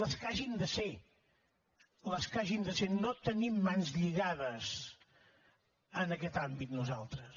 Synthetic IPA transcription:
ləskaʒind̪əse | ləskaʒind̪əsenot̪ənimːanzʎiɣaðəz | ənəkɛt̪ambit̪nuzalˠt̪ɾəs

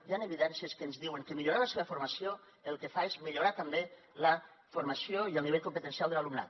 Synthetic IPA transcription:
janeβiðɛnsiəskəːnzðiwəŋkemiʎoɾaləseβəfuɾmasio | elˠkefaezmiʎoɾat̪ambe | lə | fuɾmasioiəlˠniβeʎkompət̪ensialˠðelalumna̰t̪

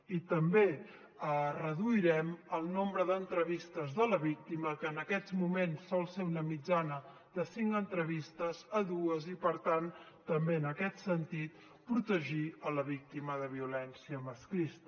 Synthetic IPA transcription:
it̪əmbe | ərəðuiɾɛməlˠnombɾəðənt̪ɾəβist̪əzðələβik̚t̪iməkəːnəkɛzmumensːɔlˠseunəmid͡ʒanə | ðəsiŋkənt̪ɾəβist̪əzəðuəzipəɾt̪an | t̪əmbeənəkɛt̪sənt̪it̪ | pɾut̪əʒiələβ̞ik̚t̪iməðəβiulɛnsiəməskɾist̪ə

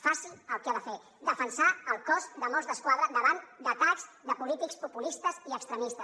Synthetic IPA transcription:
fasiləlˠkaðəfe | d̪əfənsaəlˠkɔzd̪əmɔzðəskwaðɾəd̪əβand̪ət̪aʎzd̪əpulit̪ikspupulist̪əziəkst̪ɾəmist̪ə

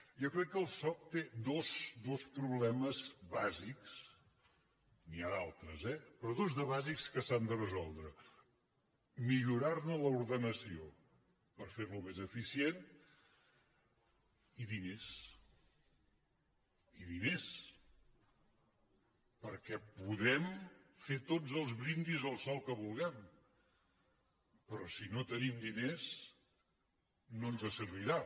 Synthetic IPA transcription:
jɔkɾɛkːəlˠsɔk̚t̪ed̪osd̪ospɾuβlɛməzβaziks | niaðalˠt̪ɾəzɛpɾɔðozðəβazikskəsand̪ərəzɔlˠd̪ɾə | miʎuɾarnələuɾðənəsio | pəɾfeɾlumezəfisien | iðines | iðines | pəɾkɛpuðɛmfet̪od͡zəlˠzβɾind̪izəlˠsɔlˠkəβulˠɣɛm | pɾɔsinot̪ənimd̪ines | nonzəsəɾβiɾa

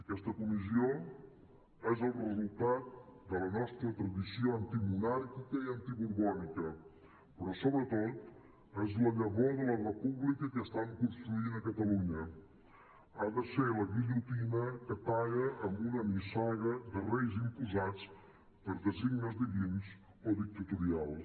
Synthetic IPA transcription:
əkɛst̪əkumizio | ɛzəlˠrəzulˠt̪at̪̚d̪ələnɔst̪ɾət̪ɾəðisioənt̪imunaɾkikəiənt̪iβuɾβɔnikə | pɾɔsoβɾət̪ot̪̚ | ɛzləʎəβoðələrəpuβlikəkəst̪aŋkunst̪ɾuinəkət̪əluɲə | aðəseləβiʎut̪inəkəp̪aɣəʔəmbunəmisɔɣəðərejzimpuzat͡s | pəɾðəziɡnəzðiβins | oðik̚t̪ət̪uɾialˠ

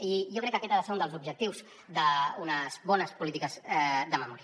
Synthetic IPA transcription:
iʒokɾɛkːəkɛt̪aðəseɾund̪əlˠzubʒək̚t̪iwz | d̪əunəzβɔnəspulit̪ikəzðəməmɔɾiə

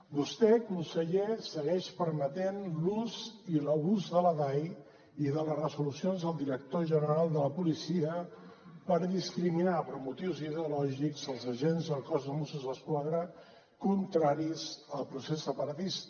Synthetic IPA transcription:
bust̪ɛkunsəʎesəɣɛʃpəɾmət̪enluziləβuzðələðaj | iðələsrəzulusionzðəlˠd̪iɾək̚t̪oʒənəɾalˠd̪ələpulisiə | pəɾðiskɾiminapəɾmut̪iwziðeulɔʒikzəlˠzəʒenzəlˠkɔzðəmusəzðəskwaðɾə | kunt̪ɾaɾizəlˠpɾusesːəpəɾət̪ist̪

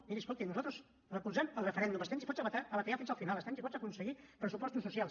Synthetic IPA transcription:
miɾiəskolˠt̪inuzalt̪ɾuz | rəkuzɛməlˠrəfəɾɛnd̪uməst̪ɛmsipɔt͡szəβət̪aəβət̪əʎafinzəlˠfinalˠəst̪ɛmsipɔzəkunsəɣipɾəsupɔst̪usːusjalˠs

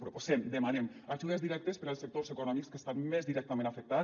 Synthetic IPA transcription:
pɾoposemd̪emanemaʒuðezðiɾɛk̚t̪espeɾalˠsek̚t̪orzekonɔmikskest̪anmezðiɾɛk̚t̪amẽnafek̚t̪a

